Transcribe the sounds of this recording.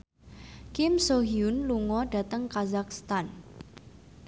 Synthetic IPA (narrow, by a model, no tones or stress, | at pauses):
kɪmsoɦiʊnluŋɔɖa̤t̪əŋkazak̚st̪an